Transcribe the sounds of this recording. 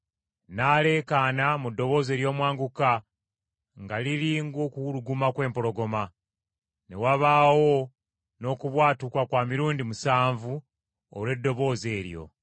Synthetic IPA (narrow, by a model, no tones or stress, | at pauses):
naːle̞ːkaːnamudːo̞βo̞ːze̞ːɾjo̞ːmwaːŋɡuka | ŋɡaliɾiːŋɡo̞kuwuɾuɡumakwe̞ːmpo̞ɾo̞ɡo̞ma | ne̞̰waβaːwo̞ | no̞ːkuβwaːtukakwaːmiɾuːndimusaːɱvu | o̰le̞dːo̞βo̞ːze̞ːɾjo̞̰